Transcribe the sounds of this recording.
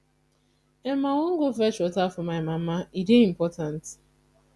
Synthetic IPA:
emaŋoŋ̩ɡʊfɛt͡ʃɔtafɔmaɪmamaideim̩pɔtan̩tɪ̥

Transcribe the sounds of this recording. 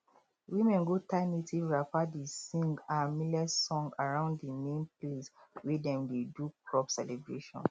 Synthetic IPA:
wĩmɛ̃nɡotãɪnetʰiɹafadisĩŋɡamilɛsɔ̃ŋɡaɹãʊ̃nddimẽnpleswedɛ̃mdedukɹɔpsɛlɛbɹeʃɔ̰̃n

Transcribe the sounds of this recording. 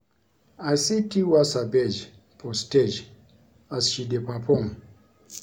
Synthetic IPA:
asitiwasabɛd͡ʒ | pʰɔsted͡ʒ | asʃidepapʰɔŋ

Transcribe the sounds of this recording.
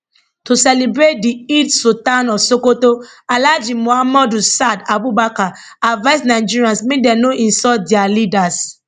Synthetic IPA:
tosɛlibɾet̚diitsotanɔsokotoalad͡ʒĩmoamɔdusadabubaka | avaɪsnaɪd͡ʒiɹiãnsmĩdɛnoʔĩnsɔt̚dialidas

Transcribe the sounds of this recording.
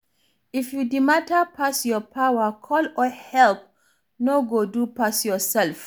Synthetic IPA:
ifjudimatəpʰasjɔpʰawəkʰɔlɔhɛlp̚ | noɡodupasjɔsɛlf

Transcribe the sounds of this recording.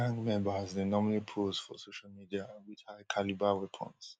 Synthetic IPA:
ãŋɡmɛ̃mbəznənɔmalipʰoz̥fɔ̰soʃalmidiawit͡ʃʰakʰalibawɛpʰɔ̰̃ns

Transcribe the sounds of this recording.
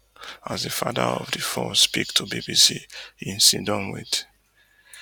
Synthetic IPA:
azðəfaðə̰ɔ̰vðɨfɔspik̚tʰubibisiĩnsĩndɔ̃mwḭd

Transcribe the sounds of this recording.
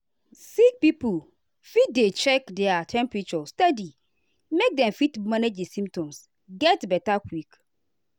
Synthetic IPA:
sik̚pipul | fit̚det͡ʃɛkdɛatʰɛ̃mpɹit͡ʃɔstɛdi | mek̚dɛ̃mfitmãned͡ʒesĩmptʰɔ̃ms | ɡɛtbɛtakʰwik

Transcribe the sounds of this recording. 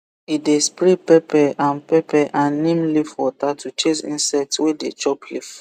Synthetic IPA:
idespɹipɛpɛʔãnpɛpɛʔãnːĩmlifwɔtatʰut͡ʃesḭ̃nsɛk̚twedḛt͡ʃɔplif

